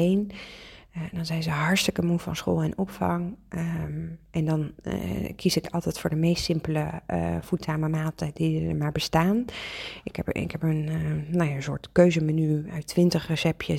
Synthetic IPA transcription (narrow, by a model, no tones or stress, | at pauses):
ejn | dɑnzɛjzəɦɑɹstəkəmufɑ̰nsχo̰ːlˠɛnɔpfɑ̰ŋ | ʔɛndɑn | kʰisɪkɑlˠtɛjtfʊːɹdəmejstsɪmpələ̰v̥utnaːməmaːtədidə̰ɹmaːɹbəstaːnɪkɛpɪ̰kɦɛpənnawjansʊ̰ːɹtkøɥzəmənyœɥtʋɪntəχrəsɛpjə